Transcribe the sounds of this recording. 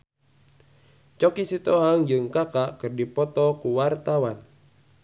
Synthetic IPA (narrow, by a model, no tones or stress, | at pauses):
t͡ʃɔkisit̪ɔɦaŋd͡ʒɨŋkakakɨrdipɔt̪ɔkuwart̪awan